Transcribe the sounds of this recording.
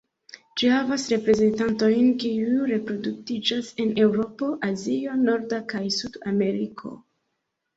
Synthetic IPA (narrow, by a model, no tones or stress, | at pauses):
d͡ʒihavasɾe̞pɾe̞ze̞ntanto̞jnkiuɾe̞pɾo̞duktid͡ʒase̞ne̞wɾo̞po̞ʔazio̞no̞ɾdakajsudame̞ɾikʰo̞̰